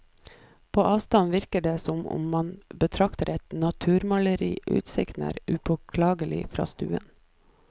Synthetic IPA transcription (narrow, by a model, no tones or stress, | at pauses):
pʰoːʔɑːʋst̪ɑnʋɪɾkəɖeːsɔmʊ̰mmɑnbət̪ʰɾɑkt̪əɾɛt̪nɑt̪ʰʉːɾmɑləɾḭːʔʉ̰ːt̪sɪknə̰ɾʉbəkʰlɑːɡəlɪ̰fɾɑ̰ːst̪ʉːə̰n